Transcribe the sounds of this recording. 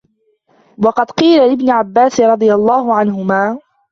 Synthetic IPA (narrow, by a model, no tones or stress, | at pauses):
wɑqɑd̪qiːlalɪbnɪʕabːaːsɪɾˤɑd̪ˤɨjalˤːaːɦʊʕanɦʊmaː